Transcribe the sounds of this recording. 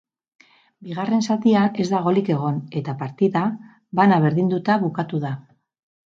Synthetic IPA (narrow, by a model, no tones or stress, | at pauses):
biɣ̞are̞nsat̪iane̞zd̪aɣ̞o̞like̞ɣ̞o̞ne̞t̪apaɾt̪iða | βanaβ̞e̞ɾðind̪ut̪aβukat̪uða